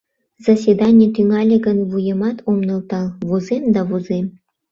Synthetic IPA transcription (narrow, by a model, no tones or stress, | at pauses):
zasʲed̪ɑnʲet̪yŋɑlʲĕɡə̆nvujə̆mɑt̪ʰomnɤ̆lˠt̪ɑlˠβozemd̪ɑβozem